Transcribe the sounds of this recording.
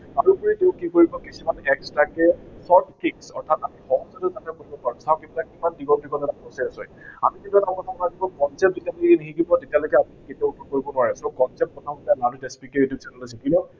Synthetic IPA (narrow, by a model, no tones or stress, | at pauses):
kaɹupuɹiteʊ̃kikoɹibɔkisumanɛkstakɛsɔɹt̚kiksɔ̰ɹtʰatamixɔɦɔzɔtuzatʰɛkoibɔpaɹsaʊ̃kettakkimandiɡɔbikɔtɔtaɔsɛasɔja̰mikitiatakɔtʰabɔnazibɔkɔnsɛp̚zetialokɛniɦikibɔtetialɔjkɛamiketiautʰɔkoɹibɔnwaɹɛsɔkɔnsɛp̚kɔtʰamɔtanaɹudɛspiketupsɛnɛlasɛkinɔ